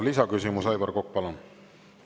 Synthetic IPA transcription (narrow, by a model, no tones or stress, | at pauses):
lisɑkysimusɑjbɑrkok̚ːpɑlɑn